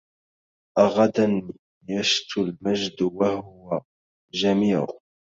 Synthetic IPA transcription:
ʔaɣad̪an | jaʃt̪ʊlmaʒd̪wahʊwa | d͡ʒamiːɾ

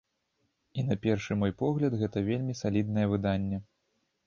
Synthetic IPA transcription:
inɐpʲɛrʂɨmɔjpɔɣlʲɐd̪ɣɛt̪ɐvʲelʲmʲisalʲid̪̚nɐjɛvɨd̪anʲːɛ

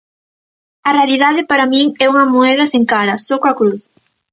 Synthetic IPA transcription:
ɐrealiðaðɪpaɾamĩŋɛuŋɐmoɛðɐseŋkaɾɐsɔkoɐkɾuθ

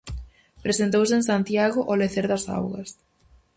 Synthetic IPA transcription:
pɾesent̪̬owseensant̪jaɣʊʔoleθeɾðɐsa̰wɣɐ̰s

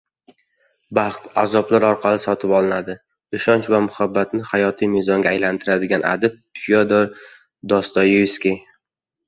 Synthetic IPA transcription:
bɑχt̪azɒblaɾɒɾqʰɑlɪsɒt̪ʰɪpɒlˠɪnad̪ɪ̥ | ʊʃɒnt͡ʃvamʊhabːat̪nɪhajɒt̪ʰijmezɒŋɡʲaajlant̪ʰɪɾad̪ɪɡʲanʔa̰d̪ɪp̚pʰijod̪oɾ | d̪ɒst̪ɒjuskʲi

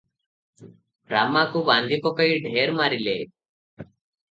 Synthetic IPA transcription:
bɾamːaːkuband̪ʱikɔpɐjɖʱeːɾmaːɾilḛ

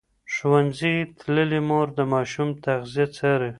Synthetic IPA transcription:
ʃwanzit̪ləlimoɾd̪əmɑʃumt̪aɣzijet͡saɾe

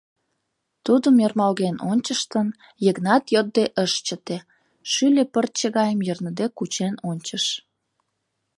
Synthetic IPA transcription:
t̪ud̪əmjərmɑlɣenonʲt͡ɕəʃt̪ən | jəɣnɑt̪jod̪̚d̪eʔəʃt͡ɕə̆t̪e | ʃylʲepər̚t͡ɕəɣɑjəmjərnə̆d̪ekut͡ɕenonʲt͡ɕəʃ

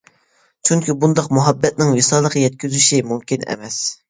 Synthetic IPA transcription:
t͡ʃʰyŋkʲʰibund̪ɑqmuɦɑbːɛt̪̚nɪŋwɪsɑːlˠəqʰjɛt̪̚kʲyzyʃimumkʲinɛ̰mɛs

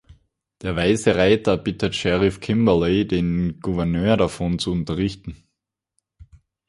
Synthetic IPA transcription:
d̥eːɐvaɪzəʁaɪtɐb̥ɪtətʃɛʁɪfkʰɪmbɐleːdeːnɡ̥uvɛɐnøːɐɾafɔnt͡suʊntɐʁɪçtn̩

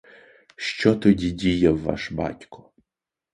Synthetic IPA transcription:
ʃt͡ʃɔt̪ɔdʲidʲijɛvːa̰ʃba̰tʲkʊ̥

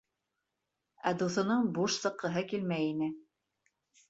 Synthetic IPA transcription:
æd̪uθɤ̆nɤɴbuʃsɤ̆qːɤ̆ɦɤkilmæjinɘ

